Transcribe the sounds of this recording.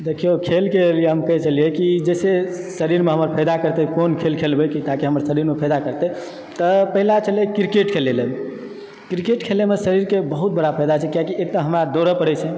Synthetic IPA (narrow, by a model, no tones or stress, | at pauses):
d̪ekʰijokʰelkelijeɦəmkəɦɛt͡ʃəlijekid͡ʒəse | səɾiɾmeɦəməɾpʰəjd̪akəɾt̪ɛkonkʰelkʰelbəkit̪akiɦəməɾsəɾiɾmepʰəjd̪akəɾt̪ɛ | t̪əpəɦilat͡ʃəlekɾikeʈkʰeleləm | kɾikeʈkʰelemesəɾiɾkebəɦut̪̚bəɽapʰəjd̪at͡ʃʰɛkijakiʔek̚t̪əɦəmɾad̪oɾəpəɽɛt͡ʃʰɛ̃